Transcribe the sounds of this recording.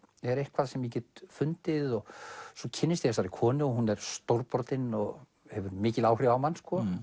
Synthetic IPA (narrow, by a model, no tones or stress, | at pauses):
ɛɾejhkʰvaðsɛmjic̬ɛt̪fʏnt̪ɪðɔɣsɔcʰɪnːɪst̪iɛs̬aɾikʰɔːnɪɔhunɛɾ̥st̪owɾpɔɾt̪ɪnɔɣ | hɛvʏɾmɪːcɪlaːwhrɾɪawmanskʰɔ